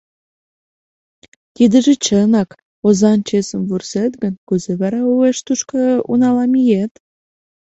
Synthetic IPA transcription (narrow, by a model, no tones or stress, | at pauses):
t̪id̪əʒĕt͡ɕənɑk | ozɑnt͡ɕesəmvurset̪ɡənkuzeβɑɾɑueʃt̪uʃkəṵnɑlɑmijet̪